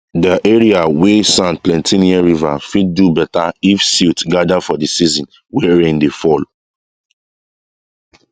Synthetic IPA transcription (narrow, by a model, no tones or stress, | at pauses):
dəʔɛɹiawesãn̚plɛ̃ntʰĩniãɹiva̰fid̚dubɛtaifsitɡadafɔdisizɔ̃n | wɛɹĩndefɔl